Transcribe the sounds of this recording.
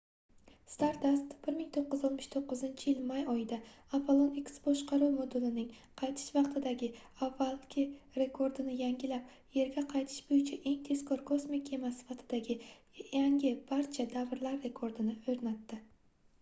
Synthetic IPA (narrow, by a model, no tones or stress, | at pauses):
st̪aɾtd̪ast̪b̥ɪɾmɪŋt̪ʰoqːɨzɒlt̪mɪʃt̪ʰoqːɨzɪnt͡ʃʰɪjɪlmajɒjɪd̪aapʰolˠonɪkʲsbɒʃqɑɾuwmod̪ʊlɪnɪŋ | qʰɑjt̪ʰɪ̥ʃvɑqt̪ʰɪd̪aɡʲɪ | avːalˠkʲʰɪɾe̞kʰo̞ɾd̪ɪnɪjaŋʲɪlap̚ | je̞ɾɡʲaqʰɑjt̪ʰɪ̥ʃbojɪt͡ʃʰaʔe̞ŋt̪ʰe̞skʰɒɾkʰo̞smɪkʰʲe̞masɪ̥fat̪ʰɪd̪aɡʲɪ | jaŋɡʲɪb̥aɾt͡ʃʰad̪avɾlaɾːe̞kʰoɾd̪ɪnɪɵɾnat̪ːɪ